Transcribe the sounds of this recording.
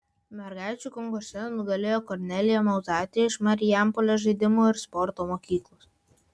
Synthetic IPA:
mʲɛɾɡɑˑɪt͡ʃʲuːˑkɔŋɡosʲɛnʊɡ̪ɐlʲeːjoːkɔɾʲnʲɛlʲɪjoːmɐʊzɑːt̪ʲɪjɛɪʃmɐɾʲɪjæmpoːlʲoːʒɐɪd̪ʲɪmuːɪɾspɔɾt̪oːmoːkʲiːklˠuːs

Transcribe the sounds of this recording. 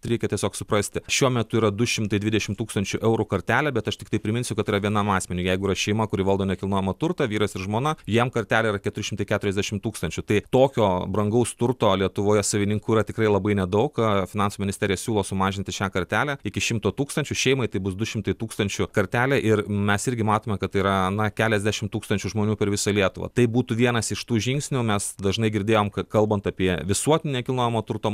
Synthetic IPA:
ɾʲɛɪkʲɛt̪ʲiɛsʲoːksʊpɾɐsʲt̪ʲɪʃʲuɔmʲɛt̪ʊiːɾɐd̪ʊʃʲɪmt̪ɐɪd̪ʲʋʲɪd̪ʲɛʃʲɪmt̪uːkst̪ɐnʲt͡ʃʲʊʔɛʊɾʊkɐɾʲt̪ʲæːlʲæbʲɛt̪ɐʃt̪ʲɪkt̪ɐɪpʲɾʲɪmʲɪnʲsʲʊkɐt̪iːɾɐʋʲiɛnɑmɑːsʲmʲɛnʲʊjɛɪɡʊiːɾɐʃʲɛɪmɐkʊɾʲiʋɐlˠd̪oːnʲɛkʲɪlˠnoːjɛmɐt̪ʊɾt̪ɐʋʲiːɾɐsɪɾʒmoːnɐjimkɐɾʲt̪ʲæːlʲɛiɾɐkʲɛt̪ʊɾʲɪʃʲɪmt̪ɐɪkʲæt̪ʊɾʲɛzʲd̪ʲæʃʲɪmt̪uːkst̪ɐnʲt͡ʃʲʊt̪ɐɪt̪oːkʲoːbɾɐŋɡɐʊst̪ʊɾt̪oːlʲiɛt̪ʊʋoːjɛsɐʋʲɪnʲɪŋkuːiɾɐt̪ʲɪkɾɐɪlˠɐbɐɪnʲɛd̪ɐʊkfʲɪnɑnsumʲɪnʲɪsʲt̪ʲɛɾʲɪjɛsʲuːlˠoːsʊmɑːʒʲɪnʲt̪ʲɪʃʲæːkɐɾʲt̪ʲæːlʲæɪkʲɪʃʲɪmt̪oːt̪uːkst̪ɐnʲt͡ʃʲʊʃʲɛɪmɐɪt̪ɐɪbʊsd̪ʊʃʲɪmt̪ɐɪt̪uːkst̪ɐnʲt͡ʃʲʊkɐɾʲt̪ʲæːlʲæʔɪrmʲɛsɪɾʲɡʲɪmɑːt̪oːmʲɛkɐt̪ːɐɪiɾɐnɐkʲæːlʲɛzʲd̪ʲæʃʲɪmt̪uːkst̪ɐnʲt͡ʃʲʊʒmoːnʲuːpʲɛɾʋʲɪsɐlʲiɛt̪ʊʋɐ̰t̪ɐɪbuːt̪uʋʲiɛnɐsɪʃt̪uːʒʲɪŋksʲnʲʊmʲɛsd̪ɐʒnɐɪɡʲɪɾʲd̪ʲeːjoːmkɐkɐlˠbɐnt̪ɐpʲiɛʋʲɪsuɔt̪ʲɪnʲnʲɛkʲɪlˠnoːjɛmoːt̪ʊɾt̪oː

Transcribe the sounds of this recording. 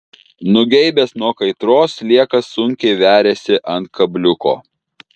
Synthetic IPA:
nʊɡʲɛɪbʲesnuɔkɐɪt̪ɾoːslʲiɛkɐsːʊŋʲkʲɛɪʋʲæːɾʲeːsʲɪʔɐnt̪̚kʰɐbʲlʲʊko̰ː

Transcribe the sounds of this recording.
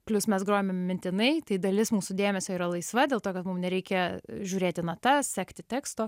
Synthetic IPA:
pʲlʲʊsmʲɛsɡɾoːjmʲɛmmʲɪnʲt̪ʲɪnɐɪt̪ɐɪd̪ɐlʲɪsmuːsud̪ʲeːmʲɛsʲoːiːɾɐlˠɐɪsʋɐd̪ʲeːlˠt̪oːkɐt̪mʊmnʲɛɾʲɛɪkʲɛʒʲuːɾʲeːt̪ʲɪnɐt̪ɐsʲæːkt̪ʲɪt̪ʲæːkst̪oː

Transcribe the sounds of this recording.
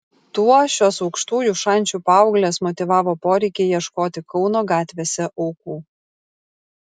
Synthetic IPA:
t̪uɔʃʲoːsɒʊkʃt̪uːjuːˑʃɐˑnʲˑt͡ʃʲuːpɑˑʊɡlʲeːsmɔt̪ʲɪʋɑːʋoːpoːɾʲɛɪkʲejiɛʃkoːt̪ʲɪkɒʊnoːɡɑːt̪ʲʋʲeːsʲɛʔɔʊkuː

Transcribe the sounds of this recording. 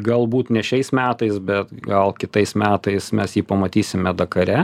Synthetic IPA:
ɡɐlˠbuːt̪nʲɛʃʲɛɪsmʲæːt̪ɐɪsbʲɛt̪ɡɐlˠkʲɪt̪ɐɪsmʲæːt̪ɐɪsmʲɛsjiːpɐmɐt̪ʲiːsʲɪmʲɛd̪ɐkɐɾʲɛ

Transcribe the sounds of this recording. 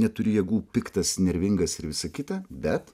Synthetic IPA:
nʲɛt̪ʊɾʲɪjɛɡuːpʲɪkt̪ɐsnʲɛɾʲʋʲɪŋɡɐsɪɾʋʲɪsɐkʲɪt̪ɐbʲɛt̪

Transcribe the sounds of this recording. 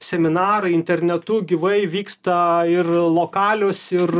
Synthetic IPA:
sʲɛmʲɪnɑːɾɐɪɪnʲt̪ʲɛɾʲnʲɛt̪ʊɡʲiʋɐɪʋʲiːkst̪ɐɪrlˠoːkɑːlʲoːsɪr

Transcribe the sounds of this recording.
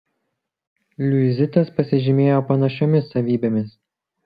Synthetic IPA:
lʲʊɪzʲɪt̪ɐspɐsʲɪʒʲɪmʲeːjoːpɐnɐʃʲomʲɪsɐʋʲiːbʲeːmʲɪs

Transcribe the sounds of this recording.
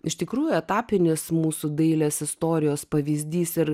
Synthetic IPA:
ɪʃʲt̪ʲɪkɾuːjʊɛt̪ɑːpʲɪnʲɪsmuːsʊd̪ɐɪlʲeːsɪst̪oːɾʲɪjoːspɐʋʲiːzʲd̪ʲiːsɪɾ

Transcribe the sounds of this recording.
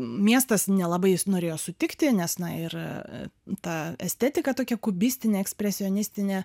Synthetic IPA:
mʲiɛst̪ɐsnʲɛlˠɑbɐɪnoːɾʲeːjoːsʊt̪ʲɪkt̪ʲɪnʲɛsnɐɪr̰ | t̪ɐɛsʲt̪ʲɛt̪ʲɪkɐt̪oːkʲɛkʊbʲɪsʲt̪ʲɪnʲeːɛksʲpʲɾʲɛsʲɪɔnʲɪsʲt̪ʲɪnʲeː

